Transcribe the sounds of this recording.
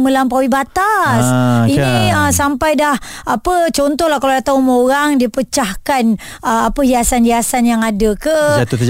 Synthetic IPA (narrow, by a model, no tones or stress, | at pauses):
məlampawibat̪asiniəsampajdahapət͡ʃɔnt̪ɔhlahkaladat̪aumaoɾaŋdiəpət͡ʃahkan | əapəhiasanhiasanjaŋadəkəat̪u